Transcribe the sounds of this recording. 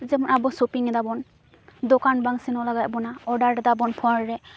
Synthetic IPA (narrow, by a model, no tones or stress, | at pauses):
zɛbɔnabɔsopiŋɛdabɔn | dokanbaŋsinɔlaɡajbɔnaɔdaɹɛdabɔnpʰɔɹɹɛ